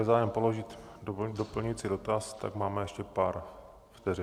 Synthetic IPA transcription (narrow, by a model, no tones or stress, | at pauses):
ɛzaːjɛmpo̞lo̞ʒɪt̪dopl̩ɲɪt͡sɪdo̞t̪ast̪a̰ɡmaːmɛjɛʃcɛpaːɾ | ft̪ɛr